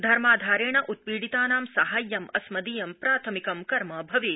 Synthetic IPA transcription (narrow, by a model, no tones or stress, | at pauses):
d̪ʱɐɾmaːd̪ʱaːɾeːɳɐʔut̪̚piːɽit̪aːnaːmsɐɦaːjːɐmɐsmɐd̪iːjɐmpɾaːt̪ʰɐmikɐmkɐɾmɐbʱɐʋi